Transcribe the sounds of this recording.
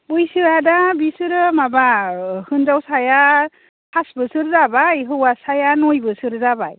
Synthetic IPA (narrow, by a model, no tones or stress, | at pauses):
ujsɯadabisɯɾɯmabahɯnzawsaja | hʰasbɯsɯɾzabajɦɯwasajanɔjbɯsɯɾzaba̰j